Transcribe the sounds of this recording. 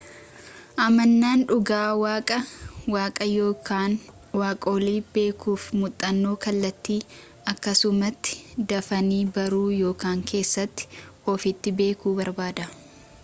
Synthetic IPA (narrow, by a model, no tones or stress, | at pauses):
ʔɐmɐnːaːnᶑʊɡaːwaːkʼɐwaːkʼɐjo̞ːkaːn | waːkʼo̞ːliːbe̞ːkuːfmʊt̪ʼːɐnːo̞ːkɐlːɐt̪ːiː | ɐkːɐsʊmɐt̪ːɪ̥d̪ɐfɐniːbɐɾuːjo̞ːkaːŋkʰe̞ːsːɐt̪ːɪ̥ɔfɪt̪ːɪbe̞ːkuːbɐɾbaːd̪ɐ